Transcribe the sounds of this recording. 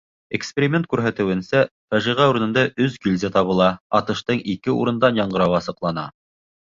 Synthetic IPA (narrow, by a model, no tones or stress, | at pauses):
ekspʲeɾʲimʲent̪̚kʉɾɦæt̪ɘ̆wɘ̆nsæfæʒiʁæuɾɤ̆nɤ̆nd̪ɑʔɵzɡilʲzæt̪ɑβɤ̆lˠɑɑt̪ɤ̆ʃt̪ɤɴikɘṵɾɤ̆nd̪ɑnjɑɴɢɤ̆ɾɑwɑsɤ̆qlˠɑnɑ̰